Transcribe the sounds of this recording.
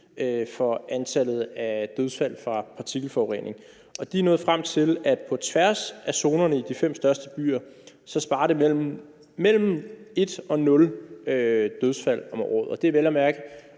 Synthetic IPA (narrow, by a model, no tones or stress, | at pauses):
øfɒ̽ænt͡sʰæl̰ð̞̩ˠæd̥øð̞ˠsfæl̰fʁɑ̈pʰɑ̈t͡sʰiɡ̥l̩fɒʊʁḛnʔe̝ŋ | ʔɒ̽d̥inɔ̽ːð̩ˠfʁam̰t͡sʰe̝læd̥̚pʰɒ̽t͡sʰʋæɐsʔæso̝ːnɐnəid̥ifem̰sd̥ɶɐsd̥əb̥y̰ːɐ | sɒ̽sb̥ɑ̈ːɾ̥e̝̰ | mel̰m̩e̝d̥ɒ̽nɔ̽lød̥øð̞ˠsfæl̰ɒ̽mɒ̰ːðˠɒ̽d̥e̝æʋelæmæɐɡ̥ə